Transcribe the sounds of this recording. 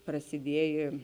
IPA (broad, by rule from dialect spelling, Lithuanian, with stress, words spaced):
prɐsʲɪˈdʲiɛjeː